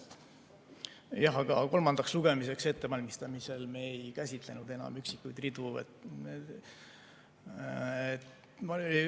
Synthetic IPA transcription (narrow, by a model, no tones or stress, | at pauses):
jɑɦɑɡ̥ɑko̞lmɑnd̪̥ɑksluɡ̥e̞mise̞kse̞t̪ːe̞vɑlʲmist̪ɑmise̞lme̞ːjkæsʲit̪le̞nud̪e̞nɑ̰myksikːˑujd̪rid̪̥uḛt̪e | et̪ | mɑ